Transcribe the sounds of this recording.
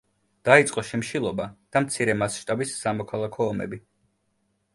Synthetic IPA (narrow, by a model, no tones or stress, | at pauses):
d̪̥ait̪sʼqʼɔʃimʃilˠɔbad̪̥amt̪sʰiɾɛmasʃt̪ʼabisːamɔkʰalˠakʰɔːmɛ̰bi